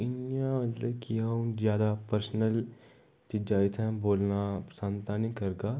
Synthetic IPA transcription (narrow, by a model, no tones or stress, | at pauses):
ɪnjãmɐt̪ləbkiaũzjaːd̪apəɾsnəl | t̪id͡ʒaːit̪ʰɛ̃boːlnasãnt̪anĩkɐɾɡaː